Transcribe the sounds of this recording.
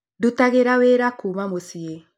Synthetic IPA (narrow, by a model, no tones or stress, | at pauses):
dutaɣeɾaweɾakumamosie